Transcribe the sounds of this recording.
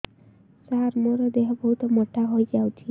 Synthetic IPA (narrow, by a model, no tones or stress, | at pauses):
saɾmoɾɔd̪eɦbɔɦut̪ɔmɔʈaɦojd͡ʒawt͡ʃʰi